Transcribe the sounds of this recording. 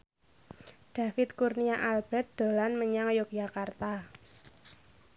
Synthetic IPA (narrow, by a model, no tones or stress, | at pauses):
d̥a̤fɪt̪kurniaʔalb̥ɛt̪̚d̪̥o̤lanməɲaŋjʊk̚d͡ʒ̥akart̪a